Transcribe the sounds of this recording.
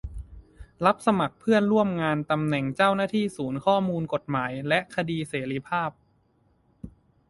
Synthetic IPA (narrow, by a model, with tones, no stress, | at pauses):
la˦˥p̚sa˧ma˨˩k̚pʰɯ˥˩ənɾu˥˩əmŋaː˧nt̪a˧mnɛ˨˩ŋt͡ɕaː˥˩wnaː˥˩t̪ʰiː˥˩suː˩˦nkʰɔː˥˩muː˧nko˨˩t̪̚maː˩˦jlɛ˦˥ʔkʰa˧diː˧seː˩˦ɾiː˦˧˩pʰaː˥˩p̚